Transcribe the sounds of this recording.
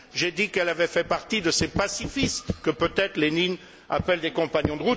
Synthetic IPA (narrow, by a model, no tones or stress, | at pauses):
ʒed̪ikɛlavɛfɛpaʁt̪id̪əsepasifist̪kəpøt̪ɛt̪χlenin | a̰pɛld̪ekɔ̃paɲjɔ̃d̪əʁut̪